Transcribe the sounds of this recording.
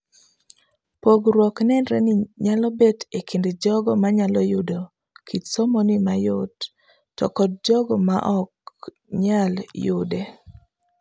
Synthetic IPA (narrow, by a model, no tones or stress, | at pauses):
poɡɾwɔknɛnɾɛnɪɲalɔbetekinded͡ʒɔɡɔmaɲalɔjʊdo | kʰitsɔmɔnimajʊd | tɔ̰kɔd̚d͡ʒɔɡɔma̰ʔɔk | ɲaljʊde